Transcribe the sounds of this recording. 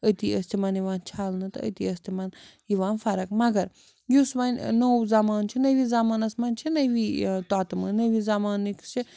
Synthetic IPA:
ət̪iɐst̪ʰimɐniʋaːnt͡ʃʰaːlnɨt̪ɐ̰ə̰t̪iɐst̪ʰimɐn | iʋaːnfɐɾɐkmɐɡɐɾ | jusmɐnʲnowzamaːnt͡ʃʰinɐjʋizamaːnɐsmɐnt͡ʃʰinɐjʋit̪aːt̪mɨnɐʋizamaːnːikt͡ʃʰi

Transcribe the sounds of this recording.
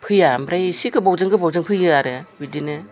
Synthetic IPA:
pʰɯjamɾajsikʰɯbɔwzɯŋɡɯbɔwzɯŋpʰɯjɯaɾɯwidinɯ

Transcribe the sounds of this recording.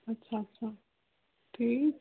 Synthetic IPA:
ətːʃʰaətːɕʰa | t̪ʰiː

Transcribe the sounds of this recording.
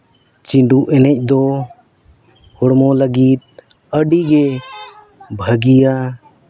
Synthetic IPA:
t͡ʃiɳɖuʔɛnɛc̚ˀd̪ɔ | hɔɽmɔləɡit̪̚ | əɖiɡɛ | bʱəɡija

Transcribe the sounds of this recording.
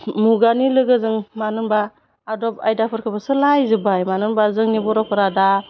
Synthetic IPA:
muɡanilɯɡɯzɯŋmanɯnbaː | dɔp̚a̰jdapʰɯɾkʰɯbasɯlajzɯbajmanɯnbazɯŋnibɔɾɔpʰɯɾada

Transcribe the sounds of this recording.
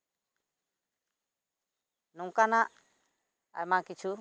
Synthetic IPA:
nuŋkanaʔ | a̰jmakit͡ʃʰu

